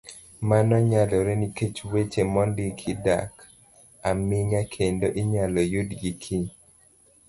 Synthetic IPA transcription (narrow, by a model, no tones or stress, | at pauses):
manɔɲalɔɾɛniket͡ʃwet͡ʃemɔndɪkʰɪda̰k | amɪŋakʰendoʔiɲalɔjʊdɡikʰi